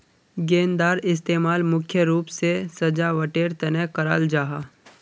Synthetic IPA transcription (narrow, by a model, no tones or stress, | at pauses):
ɡeːnd̪aːɾɪs̬t̪eːmaːlmʊkʰjəɾuːpsesɐd͡ʒaʋɐʈeːɾt̪ɐnɛɦkɐɾa̰ːld͡ʒaːɦaː